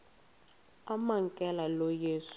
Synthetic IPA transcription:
amaŋkʼɛlalɔjeːsu̥

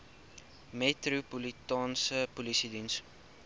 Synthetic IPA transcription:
metrupulitɑːnsəpulisidins

